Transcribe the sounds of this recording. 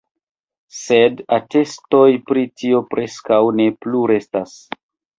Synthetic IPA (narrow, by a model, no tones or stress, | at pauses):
se̞date̞sto̞jpɾitio̞pɾʔe̞skawne̞pluɾe̞stas